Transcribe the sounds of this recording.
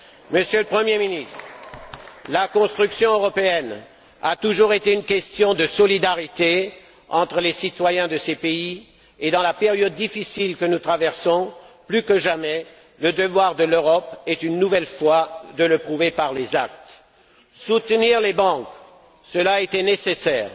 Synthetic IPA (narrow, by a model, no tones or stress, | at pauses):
məsjøləpχəmjeminist̪χ | lakɔ̃st̪χyksjɔ̃øʁɔpeɛn | a̰t̪uʒuʁet̪eynkʲɛst̪jɔ̃d̪əsɔlid̪aʁit̪e | ɑ̃t̪χəlesit̪wajɛ̃d̪əsepei | ed̪ɑ̃lapeʁjɔd̪ːifisilkənut̪χavɛʁsɔ̃plykəʒamɛ | ləd̪əvwaʁd̪əløʁɔpɛt̪ynːuvɛlfwad̪ələpχuvepaʁlezak̚t̪ | sut̪niʁlebɑ̃k | səlaet̪ɛnesesɛːʁ